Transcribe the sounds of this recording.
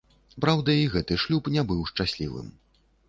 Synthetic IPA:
pɾawd̪ɐiɣɛt̪ɨʂlʲupnʲɛbɨwʂt͡ʂasʲlʲḭvɨ̰m

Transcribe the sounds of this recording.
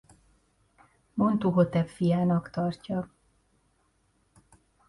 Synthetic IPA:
mo̞nt̪uɦot̪ɛlfijaːnɒkt̪ɒrcɒ

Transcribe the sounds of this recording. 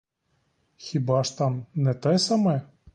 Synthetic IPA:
xʲibaʂt̪amnɛt̪ajɛsamɐjɛ

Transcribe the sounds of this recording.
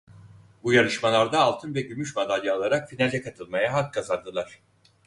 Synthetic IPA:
bujaɾˠɯʃmalˠaɾd̪aːlˠt̪ʰɯnvɛɟymyʃmad̪alʲjaːlˠaɾakfinalʲɛkʰat̪ʰɯlˠmajaɦat̪̚kʰazand̪ɯlˠaɾ̝̥

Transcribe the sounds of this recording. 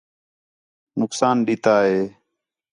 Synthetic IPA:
nʊksaːnɗɪt̪aːɦeː

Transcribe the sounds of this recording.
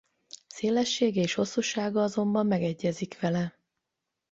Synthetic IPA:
seːlɛʃːeːɡɛeːʃho̞sːuʃaːɡɒɒzo̞mbɒmːɛɡɛɟːɛzikʋɛlɛ

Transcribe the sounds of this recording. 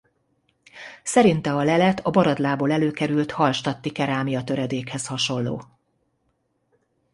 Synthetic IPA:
sɛɾint̪ɛɒlɛlɛt̪ʰɒbɒɾɒd̪laːboːlɛløːkɛɾylt̪hɒlʃt̪ɒt̪ːikɛɾaːmijɒt̪øɾɛd̪eːkhɛshɒʃo̞nlo̰ː

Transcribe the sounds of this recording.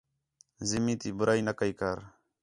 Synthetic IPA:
zɪmĩːt̪iːbʊɾaːiːnəkəiːkəɾ

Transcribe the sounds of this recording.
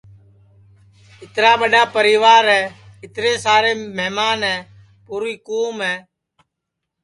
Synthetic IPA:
ɪt̪ɾaːɓəɗaːpəɾiːʋaːɾɦɛːɪt̪ɾeːsaːɾeːmɛːmaːnɦɛ̃ː | puːɾiːkoːmɦɛː

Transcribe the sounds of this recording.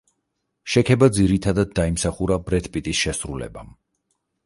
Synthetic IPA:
ʃɛkʰɛbad̪ziɾit̪ʰad̪ad̪̚ːaimsaχuɾabɾɛt̪ʰpʼit̪ʼisʃɛsɾulɛ̰bam

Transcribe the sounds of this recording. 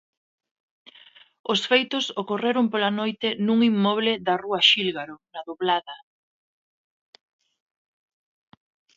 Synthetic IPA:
osfejt̪ʊsokoreɾʊmpolanojt̪ɪnuŋimːɔβ̞lɪðɐruaʃilɣaɾonaðoβlaðɐ

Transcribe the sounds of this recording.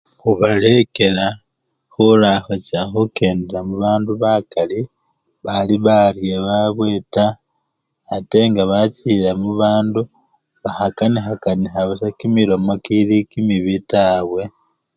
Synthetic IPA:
xuβale̞ke̞la | xulaxocaxuke̞ːndeɾamuβaːnduβakali | βaliβarjeβaβweːtaː | te̞ŋɡaβacilamuβaːndu | βaxakanixakanixaβasakimiɾo̞mokilikimiβitaβwe̞

